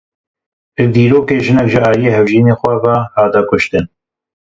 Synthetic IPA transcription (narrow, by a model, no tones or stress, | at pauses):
d̪iːɾoːkeːʒɪnɛkʒɪɑːlijeːhɛvʒiːneːxʷɛvɑhɑːt̪ɛkʊʃt̪ɨn